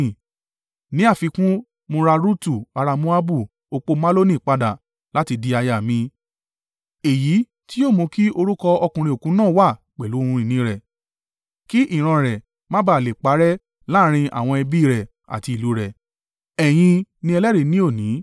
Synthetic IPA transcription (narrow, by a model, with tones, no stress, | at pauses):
nĩ˨˦a˦˨fi˧kũ˦ | mo˧ɾa˧ɾu˦tu˦˨a˧ɾa˧mũ˦a˦bu˦˨ | o˧k͡po˧ma˦lo˦nĩ˦˨k͡pa˧da˨ | la˦ti˧di˧a˧ja˨mĩ˧ | e˨ji˨˦ | ti˦joː˦˨mõ˧ki˦o˧ɾu˦kɔ˧ɔ˧kũ˧ɾĩ˧o˨kũ˨˦nãː˦˨wa˦˨ | k͡pɛ˨lu˨˦ũ˧ɾĩ˨nĩ˨˦ɾɛ˨ | ki˦ʔi˦˨ɾ̃ã˧ɾɛ˨ | mã˦ba˦˨le˨k͡pa˨˦ɾɛ˦ | la˦ɾ̃ĩ˧ʔa̰˨w̃ɔ̃˧ɛ˧bi˦˨ɾɛ˨ | a̰˨ti˧i˨lu˨˦ɾɛ˨ | ɛ˨j̃ĩ˧nĩ˦ɛ˧lɛ˦ɾe˨˧nĩ˨˦o˦˨nĩ˨˦